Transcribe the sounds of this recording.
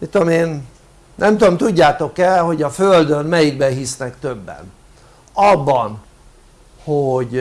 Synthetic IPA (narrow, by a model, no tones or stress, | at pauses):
mit̪ːomeːn | nʔɛmt̪uomt̪uɟːaːt̪o̞kɛlho̞ɟɒføld̪ønmɛjiɡbɛɦisnɛkt̪ø̞bːɛ̰n | ɒbːɒn | hoɟ